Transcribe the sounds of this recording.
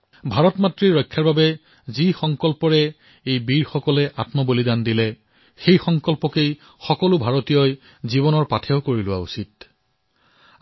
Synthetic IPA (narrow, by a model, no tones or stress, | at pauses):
bʱaɹɔtmatɹiɹɔjkʰːjaɹbabɛ | zixɔŋkɔlpɔɹɛ | ejbiɹxɔkɔlɛʔa̰tmɔbolidandilɛ | xejxɔŋkɔlpɔkej | xɔkɔlʊbʱaɹotijɔj | zibɔnɔɹpatʰɛʊkoɹilʊwa̰usit̚